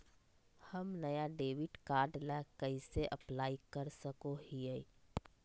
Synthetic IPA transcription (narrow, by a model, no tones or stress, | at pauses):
həmnəjaɖeːʋɪʈkaːɾɖlɛkəiseʔəplaːikəɾsəkoɦie